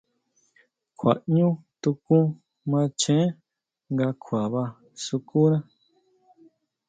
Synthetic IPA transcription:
kʰʷwa̰˨ʔɲũ˦t̪u˧kũ˦ | mã˧t͡ʃẽ˦ | ŋɡa˧kʰʷa˨βa˧ | su˧ku˦nã˦

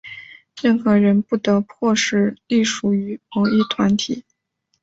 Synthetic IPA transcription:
ɻə˥˩nxɤ˧˥ɻə˧˥npu˥˩t̪ɤ˧˥pʰwɔ˥˧ʂɻ̩˥˩li˥˩ʂu˧˩y˧˥mɔ˧˥i˥˩t̪ʰwa˧˥nt̪ʰi˨˩˦

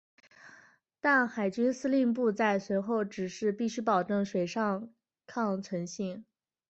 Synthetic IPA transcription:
t̪a˥˩nxa˨˩ɪt͡ɕy˥nsɹ̩˥li˥˧npu˥˧t͡sa˥˩ɪswe˧˥ɪxo˥˩ʊʈ͡ʂɻ̩˨˩ʂɻ̩˥˧pi˥˩ɕy˥pɑ˨˩ʊʈ͡ʂɤ˥˩ŋʂwe˨˩ɪʂɑ˥˧ŋ | kʰɑ˥˧ŋt͡sʰwə˧˥nɕi˥˩ŋ

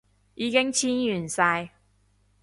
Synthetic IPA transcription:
jiː˨˧kɪ˥ŋt͡sʰiː˥njyː˨˩nsɐː˧j

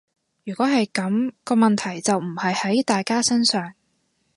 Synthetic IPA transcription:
jyː˨˩kʷɔː˨˥ɦɐ˨jkɐ˨˥mkɔː˧mɐ˨nt̪ʰɐ˨˩jt͡sɐ˨wm̩˨˩hɐ˨jhɐ˨˥jt̪aː˨jkaː˥sɐ˥nsœː˨˩ŋ

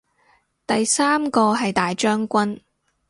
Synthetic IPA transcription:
t̪ɐ˨jsaː˥mkɔː˧ɦɐ˨jt̪aː˨jt͡ʃœː˥ŋkʷɐ˥n

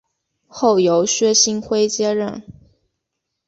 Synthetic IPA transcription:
xo˥˩ʊjo˧˥ʊɕɥɛ˥ɕi˥nxwe˥ɪt͡ɕjɛ˥ɻə̰˥˩n

